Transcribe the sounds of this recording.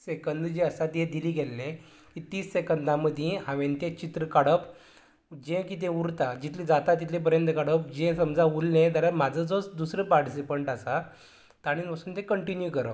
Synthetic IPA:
sekənd̪d͡ʑeəsat̪ẽd̪iliːɡelːẽ | kiːt̪iːsːekənd̪ʱãməd̪ʱjĩɦãʋẽnt̪et͡ɕit̪ɾəkaɽəp | d͡ʑẽkiːt̪̬ẽuɾt̪ad͡ʑit̪ʰlĩd͡zat̪at̪it̪ʰlẽp̬əɾjənt̪əkaɽəp̚d͡ʑẽsəmd͡zaulnẽt̪alam̤ad͡zʱəd͡zosd̪usɾəpaɾʈis̬ipəɳʈasa | t̪aɽ̃iːnpəsuːnt̪ẽkəɳʈinjukəɾə

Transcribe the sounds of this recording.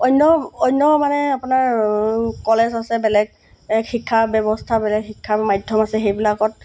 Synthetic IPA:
ɔjnːɔɔjnːɔmanɛapʊnaɹ | kɔlɛzasɛbɛlɛɡ̚ | ɛkxikʰːabjɔbɔstʰabɛlɛɡxikʰːamajdʱɔmasɛxejbilakɔt̚

